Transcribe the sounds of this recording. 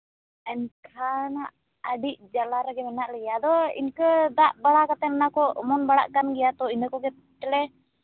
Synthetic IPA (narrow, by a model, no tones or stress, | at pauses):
ɛnkʰanaʔ | əɖiʔ̚d͡ʒalaɾɛɡɛmɛnaʔlɛɡjad̪ɔḭnkəd̪aʔbaɽakat̪ɛnɛnakɔmɔnbaɽa̰ʔkanɡɛjat̪ɔind̪əkɔɡɛ | ʈɛlɛ